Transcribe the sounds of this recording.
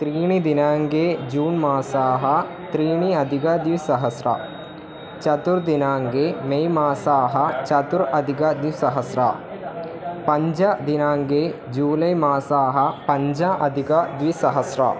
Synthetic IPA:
t̪ɾiːɳ̃id̪inaːŋɡeːd͡ʒuːnmaːsaːɦɐ | t̪ɾiːɳ̃iɐd̪ʱikɐd̪iʋsɐɦɐsɾa̰ | t͡ʃɐt̪uɾd̪inaːŋɡeːmejmaːsaːɦɐt͡ʃɐt̪uɾɐd̪ʱikɐd̪isɐɦɐsɾa̰ | pɐɲd͡ʒɐd̪inaːŋɡeː | d͡ʒuːlɐjmaːsaːɦɐ̆pɐɲd͡ʒɐɐd̪ʱikɐd̪ʋisɐɦɐsɾɐ̰

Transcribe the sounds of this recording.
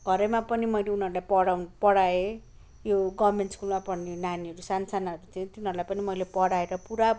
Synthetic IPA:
ɡʱʌɾemapʌnimʌjleunɦʌɾulajpʌɽawnpʌɽae | joɡʌbmenʈskulmapʌɽnenaniɦʌɾusansanaʌɾut͡saĩt̪inɦʌɾulajpʌnimʌjlepʌɽaeɾʌpuɾa

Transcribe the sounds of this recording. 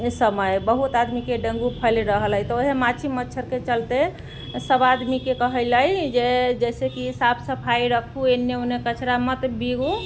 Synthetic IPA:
səməjbəɦut̪ad̪mikeɖə̃ŋɡupʰəlɾəɦəlɦəjt̪ɔoɦemat͡ʃʰimətːt͡ʃʰəɾket͡ʃəlt̪e | səbad̪mikekəɦələjd͡ʒed͡ʒɛsekisabsəpʰaiɾəkʰuenːeonekət͡ʃʰɾamət̪biɡu

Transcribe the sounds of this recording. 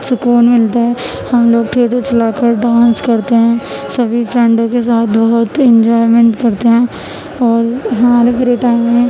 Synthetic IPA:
sʊkuːnmɪlt̪aɦɛ | hɐmloːɡ̚ʈʰeːʈot͡ʃɐlaːkəɾɖãːnskɐɾt̪eɦɛ̃sɐbʱipʰɾɛ̃ɳɖõkes̬aːt̪ʰbɐɦʊt̪ɪ̃nd͡ʒɔːɪmẽɳʈkɐɾt̪eɦɛ̃ː | ɔːɾɦɐmaːɾepɾiʈaːɪmːẽ

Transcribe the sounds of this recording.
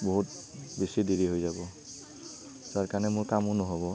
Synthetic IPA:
boɦutbesidiɹiɦojzabɔ | z̥aɹkaɹnɛmʊɹkamʊnɔɦobɔ

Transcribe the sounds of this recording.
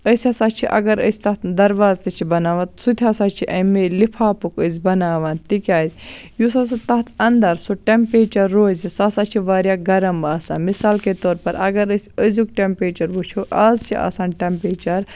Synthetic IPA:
əsʲɐːsaːt͡ʃʰiʔɐ̰ɡɐɾəsʲt̪ɐt̪d̪ɐɾʋaːzt̪ɐt͡ʃʰibɐnaːʋãt̪sut̪ʰʲasaːt͡ʃʰiʔɐmelipʰaːpukəzʲbɐnaːʋaːnt̪ikʲaːzʲjusas̬ɐt̪ɐɦt̪ʰɐnd̪ɐɾsoʈempeːt͡ʃɐɾːoːzisaːsaːt͡ʃʰiʋaːɾjaːɡɐɾɐmbaːsa̰ːmisaːlket̪oːɾpɐɾɐ̰ɡɐɾəsʲəzʲukʈempeːt͡ʃɐɾʋut͡ʃʰuʔaːzt͡ʃʰiʔa̰ːsaːnʈempeːt͡ʃɐɾ

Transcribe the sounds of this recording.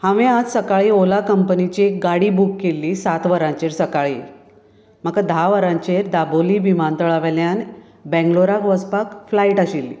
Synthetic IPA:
hãʋẽad͡zsəkaɭiːolakəmpənit͡ɕiek̚ɡaɽiːbukːelːiːsat̪ʋəɾãɲt͡ɕeɾsəkaɭiː | m̤akad̪ʱaʋəɾãɲt͡ɕeɾd̪aboliːbimãnt̪əɭaʋɛljan | bɛ̃ŋɡloɾakʋəspakflaiʈaɕilːḭ

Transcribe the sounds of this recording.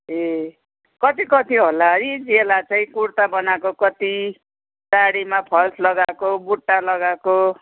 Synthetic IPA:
e | kʌt̪ikʌt̪iɦolanid͡zelat͡sʌĩkurt̪abʌnakokʌt̪i | taɽimapʰʌlsʰlʌɡakobuʈːalʌɡako

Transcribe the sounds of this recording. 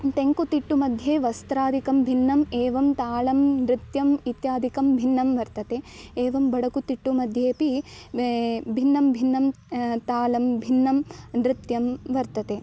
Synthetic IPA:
t̪eŋkut̪iʈːumɐd̪ʱjeːʋɐst̪ɾaːd̪ʱikɐmbʱinːɐmeːʋɐmt̪aːlɐmnɾɪt̪jɐmit̪jaːd̪ʱikɐmbʱinːɐmʋɐɾt̪ɐt̪eːeːʋɐmbɐɽɐkut̪iʈːumɐd̪ʱjeːpi | bʱinːɐmbʱinːɐm | t̪aːlɐmbʱinːɐmnɾɪt̪jɐmʋɐɾt̪ɐt̪eː

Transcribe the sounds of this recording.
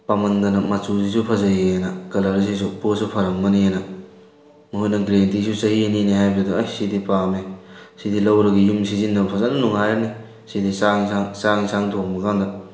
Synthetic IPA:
pamɐndɐnɐmɐt͡ʃuzisupʰɐzɐjiejnɐkɐlaɾis̬is̬uposupʰɐɾɐmːɐniejnɐ | mɐhujnɐɡɾentisusɐhieniniɦajbiuduɐjsidipamesidilɐwɾɐɡijumsizinːɐbpʰɐzɐnːɐnuŋajani | sidisasaŋsaŋisaŋtʰok̚mɐkʰandɐ

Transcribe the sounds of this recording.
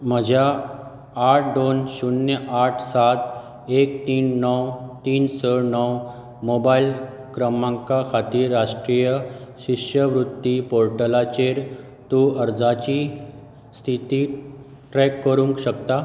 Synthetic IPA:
məd͡ʑʱjaː | ʈ̚ʰd̪onɕunjəʔaʈʰsat̪ | ek̚t̪iːnːɔwt̪iːnsəɽnɔw | mobail | kɾəmãŋkakʰat̪iːɾɾaʂʈɾijəɕiʂjəʋɾud̪ːipoɾʈəlat͡ɕeɾ | t̪uəɾd͡zat͡ɕiː | st̪ʰit̪iː | ʈɾɛkːəɾũŋkɕəkt̪a

